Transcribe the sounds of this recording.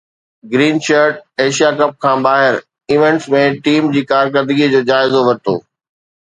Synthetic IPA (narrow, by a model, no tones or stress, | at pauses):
ɡɾiːnʃəɾʈ̚eːʃijakɐp̚kʰãːbaːɦɪɾ | ɪʋẽɳʈsmẽʈiːmd͡ʑiːkaːɾkəɾd̪ɪɡid͡ʑoːd͡ʑaːɪzoʋɐt̪o̰ː